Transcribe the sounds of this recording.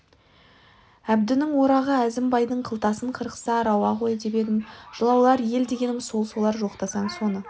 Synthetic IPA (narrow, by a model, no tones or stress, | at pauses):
æbd̪ɪnɪŋwo̞ɾɑʁəæzɪmbɑjd̪əɴqʰəlˠt̪ɑsəɴqʰəɾqə̥sɑɾɑwɑqʰo̞jəd̪epe̞d̪ɪmʒ̥əlˠɑwlˠɑɾje̞ld̪e̞ɡʲe̞nɪmo̞lˠso̞lˠɑɾʒoqt̪ɑsɑɴso̞nə